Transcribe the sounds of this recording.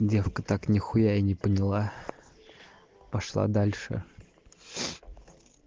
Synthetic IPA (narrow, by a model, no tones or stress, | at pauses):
dʲe̞fkət̪aknʲɪxʊjaɪnʲɪpənʲɪlˠa | pɐʂlˠa̰d̪alʲʂɨ̰